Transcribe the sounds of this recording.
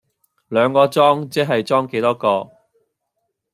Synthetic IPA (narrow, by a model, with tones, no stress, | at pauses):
lœː˨˧ŋkɔː˧t͡sɔː˥ŋt͡sɛː˥ɦɐ˨jt͡sɔː˥ŋke˨˥jt̪ɔː˥kɔː˧